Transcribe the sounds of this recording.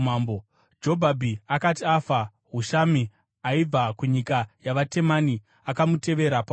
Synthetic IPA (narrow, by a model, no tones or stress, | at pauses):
mbo | d͡ʒo̞bʱabʱiakatiafa | ɦuʃami | aib͡vakuɲikajaʋate̞mani | akamute̞ʋe̞ɾapa